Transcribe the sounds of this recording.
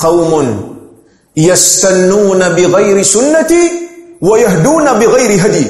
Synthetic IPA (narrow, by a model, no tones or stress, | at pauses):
qɑwmʊn | jast̪anːuːnabɪɣajɾɪsʊnːat̪iwajaɦd̪uːnabɪɣajɾɪɦad̪j